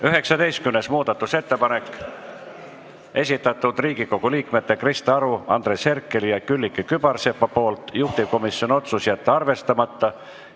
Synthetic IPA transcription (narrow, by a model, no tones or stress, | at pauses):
yɦe̞ksɑd̪e̞jst̪kymnesmuːd̪ɑt̪ːˑuse̞t̪ːe̞pɑne̞kːˑ | e̞sʲit̪ːˑɑt̪ːˑud̪̥riːɡiko̞ɡ̥uliːkme̞t̪ːˑe̞krist̪ɑɾuɑ̰nd̪ɾrese̞rkːˑe̞lijɑkylʲːikːˑikyb̥ɑrsepːɑpo̞ːlt̪ˑjuht̪ivko̞misjo̞no̞t̪susiet̪ːɑrve̞st̪ɑmɑt̪ˑːɑ